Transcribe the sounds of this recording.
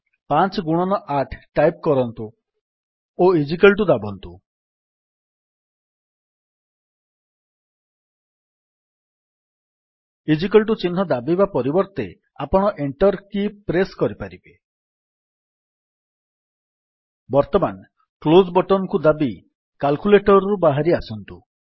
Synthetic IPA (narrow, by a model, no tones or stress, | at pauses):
pant͡ʃɡuɽ̃ɔnɔʔaʈʰʈːajp̚kɔɾɔnt̪u | oid͡ʒik̬ɔlʈ̬ud̪abɔnt̪u | id͡ʒikelʈut͡ʃinɦɔd̪abibapɔɾibɔɾt̪e | apɔɽ̃ɔʔeɳʈɔɾkipɾeskɔɾipaɾibe | bɔɾt̪ɔman | klozbɔʈɔnɔkud̪abi | kalkuleʈɔɾɔɾubaɦaɾiasɔnt̪u